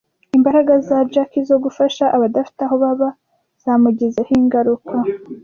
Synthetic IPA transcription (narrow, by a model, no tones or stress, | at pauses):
imbaɾaɡazad͡ʒakizo̞ɡufaʃaʔaβadafi̥taɦoβaβa | z̥amuɟezehiŋɡaɾukʰa